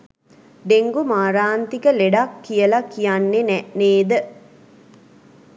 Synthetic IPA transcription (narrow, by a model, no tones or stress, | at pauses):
d̪eŋɡumaːɾaːnt̪ikəleɖakːijəlakijanːenɛneːd̪ə